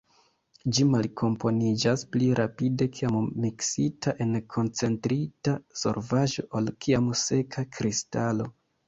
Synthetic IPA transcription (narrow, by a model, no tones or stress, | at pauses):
d͡ʒimalkʰo̞mpo̞nid͡ʒaspliɾʔapide̞kʰiammiksitʰaʔe̞nkʰo̞nt͡se̞ntɾitaso̞̰ɾvaʒo̞̰ʔolkʰiamse̞kʰakɾistalo̞